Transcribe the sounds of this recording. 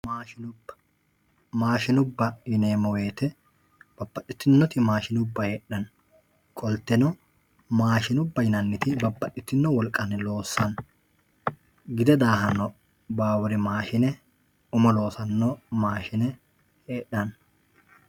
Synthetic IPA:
maːʃɪnʊbɐ | maːʃɪnʊbːɐɪneːmɔwe̞ːt̪ɛ | b̥ɐbːɐtʼːɪt̪ːɪnːɔt̪ɪmaːʃɪnʊbːɐheːᶑːɐn | kʼɔlt̪ːɛnɔ | maːʃɪnʊbːɐjɪnɐnːɪt̪ɪbɐbːɐtːɪt̪ːɪnːɔwɔlkʼɐnlo̞ːsːɐn | ɡɪd̪ɛd̪aːɦɐnːɔ | baːwʊɾɪmaːʃɪnɛ | ʊmɐlo̞ːsɐnːoːmaːʃɪnɛ | heːᶑːɐn

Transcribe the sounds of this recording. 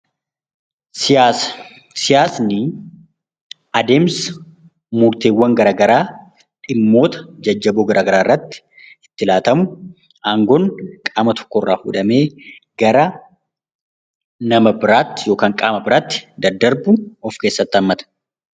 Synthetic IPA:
sɪjaːsnɪ | ɐd̪eːms | mʊɾt̪eːwːɐŋɡɐɾaːɡɐɾaː | ᶑɪmːo̞ːt̪ɐ̥d͡ʒɐd͡ʒːɐboːɡɐɾʔaːɡɐɾaːrːɐt̪ːɪ̥ | ɪt̪ːɪlaːt̪ɐmʊ | aːŋɡɔːnkʼaːmɐt̪ʰɔ̥kːɔrːa̰ːfṵːᶑɐme̞ː | ɡ̥ɐɾɐ | nɐmɐbɪɾaːt̪ːɪ̥jo̞ːkaːŋkʼaːmɐbɪɾaːt̪ːɪ̥d̪ɐd̪ɐɾbʊɔfke̞ːsːɐt̪ːɐmːɐt̪ɐ̥

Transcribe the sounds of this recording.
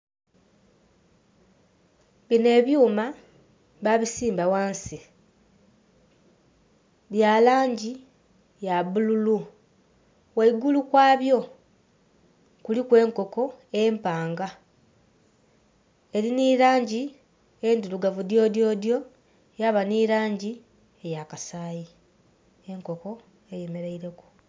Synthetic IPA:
βine̞ːβjuːma | βaβisiːmbawaːnsi | βjalaːɲɟi | jaβululu | weiɡulukwaːβjo̞ | kulikwe̞ːŋko̞ko̞e̞ːmpaːŋɡa | e̞liniɾaːɲɟi | e̞nduluɡavudjo̞ːdjo̞ːdjo̞ | jaβaniɾaːɲɟi | e̞jakasaːji | eŋko̞ko̞ | eje̞me̞ɾeiɾe̞ku̥

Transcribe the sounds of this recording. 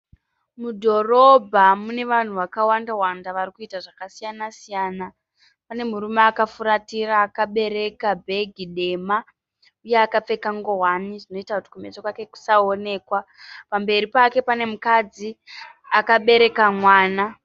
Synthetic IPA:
mudʱo̞ro̞bʱamune̞ʋan̤uʋakawandawandaʋarikuitaʐakasijanasijaːna | pane̞muɾumeːkafuɾatiɾaːkaɓe̞ɾe̞kabʱe̞ɡʱiɗe̞ma | uje̞akap͡fe̞kaŋɡo̞waniʐino̞itakuti̥kume̞t͡sokwake̞ku̥sao̞ne̞ːkwa | pambe̞ɾipake̞pane̞mukad͡ziakaɓe̞ɾe̞kamwaːna

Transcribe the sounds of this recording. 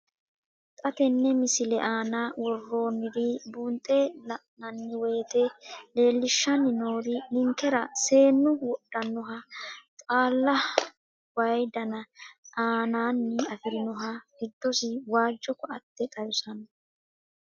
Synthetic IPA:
t̪ʼɐt̪ɛnːɛmɪsɪlɛʔaːnaːwɔrːo̞ːnːɪɾibunt̪ʼelɐʔnɐnːɪwe̞ːt̪ɛle̞ːlːɪʃːɐnːɪnoːɾɪnɪŋkɛɾɐse̞ːnːʊwɔɗːɐnːɔɦɐt̪ʼaːlːɐ | wɐjd̪ɐnɐaːnaːnːɪɐfɪɾɪnɔɦɐɡ̥ɪd̪ːɔsɪwaːd͡ʒːɔkɔɐt̪ːɛt̪ʼɐjʊsɐnɔ

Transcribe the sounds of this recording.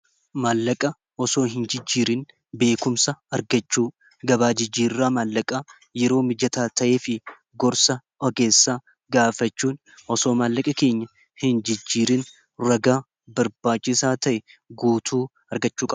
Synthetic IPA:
maːlːɐkʼɐ | ʔɔso̞ːɦɪnd͡ʒɪd͡ʒːiːɾɪn | be̞ːkʊmsɐɐɾɡɐt͡ʃːuː | ɡɐβaːd͡ʒɪd͡ʒːiːɾrːaːmaːlːɐkʼa | jɛɾo̞ːmɪd͡ʒɐt̪aːt̪ɐʔe̞ːfɪ | ɡɔɾsɐʔɔɡe̞ːsːaː | ɡaːfɐt͡ʃːuːn | ʔɔso̞ːmaːlːɐkʼɐke̞ːɲːɐ | hɪnd͡ʒɪd͡ʒːiːɾɪn | ɾɐɡaː | bɐɾbaːt͡ʃːɪsaːt̪ɐʔɛɡuːt̪ʰuː | ɐɾɡɐt͡ʃːuːkʼɐbɐ

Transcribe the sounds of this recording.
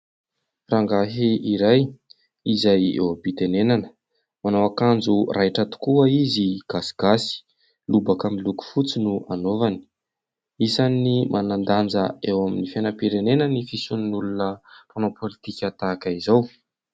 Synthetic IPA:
raŋɡaɦiiɾaj | izajḛwabit̪enenanə̥ | manawakand͡zurʔajʈ͡ʂət̪u̥kuaiziɡ̥asi̥ɡ̥asi̥ | lubakamiluku̥fut͡sinuanovani̥ | isanimʔanand̪and͡zəewaminifenəpiɾenenənifisuninulunəronopʰolit̪ikʲat̪akaizaw

